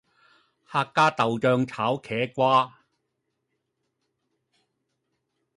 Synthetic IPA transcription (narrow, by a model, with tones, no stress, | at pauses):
haː˧kːaː˥t̪ɐ˨wt͡ʃœː˧ŋt͡sʰaː˨˥wkʰɛː˨˥kʷwaː˥